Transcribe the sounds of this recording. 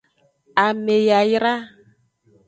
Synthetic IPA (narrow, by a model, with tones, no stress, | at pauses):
a˨me˨ja˨jɾa˦